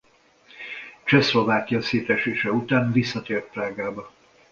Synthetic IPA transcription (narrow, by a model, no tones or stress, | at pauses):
t͡ʃɛslo̞vaːkijɒseːt̪ɛʃeːʃɛut̪aːnvisːɒt̪eːrt̪̚pɾaːɡaːbɒ